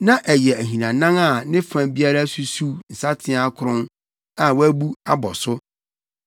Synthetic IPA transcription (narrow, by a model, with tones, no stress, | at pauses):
nã˦ʔɛ˨jɛ˨æ˨ɦĩ˨nã˨nã˦ŋa˨nɪ̃˦fã˨bi˦a˦ɾa˦su˦su˦n̩˨sa˦tʰɪ̃˦a˦kʰʊ˨ɾʊ̃˦n | ã˨wæ˦bu˦a˦bɔ˨sʊ˦